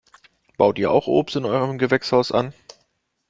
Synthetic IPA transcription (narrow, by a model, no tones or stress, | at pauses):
b̥aʊtiːɐa̰ʊxʔo̰ːpstɪnʔɔʏʁəmɡəvɛkshaʊsʔa̰n